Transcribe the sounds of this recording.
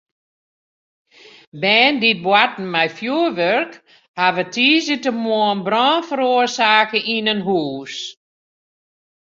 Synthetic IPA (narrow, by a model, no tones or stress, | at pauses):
bɛːndit̚bwat̚n̩mɛjfjuəʋørk | haʋətʰiːzətəmɔənbrɔːnfəɾoərsaːkəʔinənɦuːs